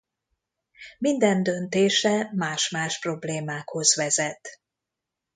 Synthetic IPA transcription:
mind̪ɛnd̪ø̞nt̪eːʃɛmaːʃmaːʃpro̞bleːmaːkho̞zʋɛzɛt̪

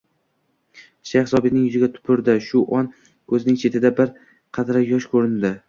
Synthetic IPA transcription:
ʃajhɪsɒbɪnɪŋjʊzɪɡʲat̪ʰʊ̥pʰɪɾd̪ɪʃʊʔɒn | kʰɵzɪnɪŋt͡ʃʰe̞t̪ʰɪd̪abɪɾ | qʰɑd̪ɾajɒʃkʰɵɾɪnd̪ɪ

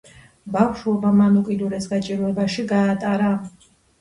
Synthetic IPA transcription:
bafʃuɔbamanukʼid̪uɾɛsɡat͡ʃʼiɾuɛbaʃiɡaːt̪ʼaɾa

